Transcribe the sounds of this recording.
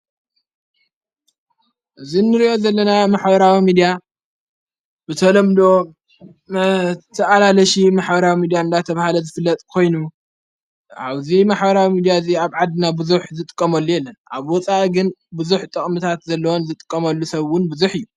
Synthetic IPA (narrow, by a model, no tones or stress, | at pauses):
ʔɨzinːɨɾiʔo̞zɐlːɐnamaħbɐɾawimid̪ija | bɨt̪ʰɐlɐmd̪o̞ | t̪ʰɐʔalalɐʃimaħbɐɾawimid̪ijaɨnd̪at̪ʰɐβahalɐzɨfɨlːɐt̪ʼkʰo̞jnu | a̰βzimaħbɐɾawimid̪ijaziaβʕad̪ɨnabɨzuħzɨt̪ʼɨ̥kʼːɐmɐlːujɛlːɐnʔa̰βwɔt͡sʼaʔiɡɨnbɨzuħt̪ʼɨχʼmɨt̪ʰat̪zɐlːɐwonzɨt̪ʼɨ̥kʼːɐmɐlːusɐβwʊnbɨzuħɨjːu